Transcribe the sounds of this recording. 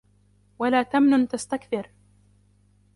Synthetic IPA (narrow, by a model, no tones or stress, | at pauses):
walaːt̪amnʊnt̪ast̪akθɪɾ